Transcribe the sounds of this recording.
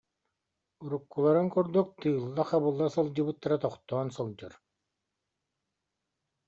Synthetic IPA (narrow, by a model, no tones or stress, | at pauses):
uɾukːulˠaɾɯŋkuɾd̪uk̚t̪ɯːlˠːaχabɯlˠːasɯlˠd͡ʑɯbɯt̪ːaɾat̪ɔχt̪ɔːnsɯlˠd͡ʑɯɾ